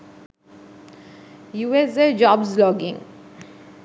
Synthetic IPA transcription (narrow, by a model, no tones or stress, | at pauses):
juːɛsed͡ʒɔbzlɔɡḭ̃ŋ